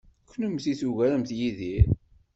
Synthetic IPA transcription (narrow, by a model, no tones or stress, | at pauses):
kʷʰːnəmθiθuʝæɾəmθjiðiɾ